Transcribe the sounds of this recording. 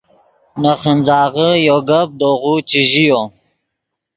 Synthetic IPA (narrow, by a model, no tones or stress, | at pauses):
naχənzɑːʁəjoɡab̚d̪oʁut͡ʃiʒijo